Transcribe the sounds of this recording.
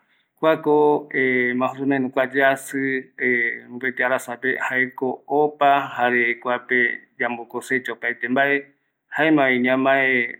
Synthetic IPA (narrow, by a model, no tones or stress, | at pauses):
kʷakoemãɦusunãẽnũkʷad͡ʒeasɨembet̪eaɾasapehaekoːpahaɾekʷaped͡ʒambokoset͡ʃaopajt̪embaʔe | haemãβiɲãmae